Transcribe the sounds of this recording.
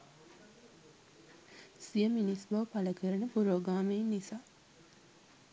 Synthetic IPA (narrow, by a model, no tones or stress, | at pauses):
sijəminisbɐʋpaləkəɾənəpuɾoːɡaːmennisaː